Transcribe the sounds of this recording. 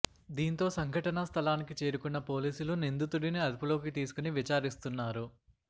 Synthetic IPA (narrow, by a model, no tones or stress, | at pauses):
d̪iːnt̪o̞ːsɐŋɡʱɐʈɐnɐst̪ʰɐlaːnikit͡ʃeːɾukunːɐpo̞ːliːsulunind̪ut̪uɽiniɐd̪ipulo̞ːkit̪iːsu̥kuniʋit͡ʃaːɾist̪unːaːɾu